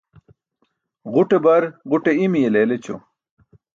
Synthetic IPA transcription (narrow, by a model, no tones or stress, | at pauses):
ʁuʈebɐɾʁuʈeimijeleːlet͡ɕo̰